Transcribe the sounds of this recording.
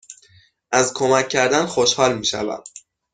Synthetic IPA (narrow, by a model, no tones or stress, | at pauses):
ʔæzkʰomæcʰːæɾd̪ænxoʃhɒːlmiːʃæ̰væ̰m̥